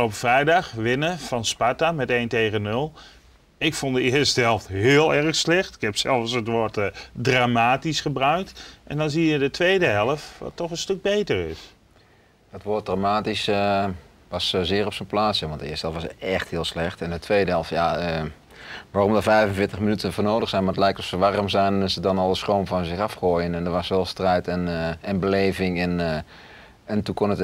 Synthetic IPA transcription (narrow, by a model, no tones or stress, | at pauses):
owpəfrɛjdaxʋɪnəfɔnspatamɛtejntejɣənːølˠ | ɪkfondəɪːəɹstəɦɛlˠftɦɪːlˠɛrxslɛxtɪ̥kɦɛpsɛlˠfsətʋoətdraːmaːtisχəbrœɥk̚tʔɛ̰ndɔnzijədətʋejdəɦɛlˠəfʋɑ̰tːɔχənstøk̚bejtərɪ̰s | d̥ɔtʋot̚dramaːtis | ʋɑszɪːrɔpsənplaːtsjaʋɑntdəɪːstəɦɛlˠfʋɑsɛxthɪːlˠslɛχtɛndətʋejdəɦɛlˠfjaə | ʋaːrɔmdəvɛjfənvɪːtəχmənytənvoːnoːdəxsɛjnmadətlɛjk̚tɔfsəʋarmzɛjnəsədɔnɑlˠdəstroːmvɑnzɪχɑfχojənɛndəʋɑsʋɛlˠstrɛjtɛnɛnbəlejvɪŋɛn | ɛntukɔnət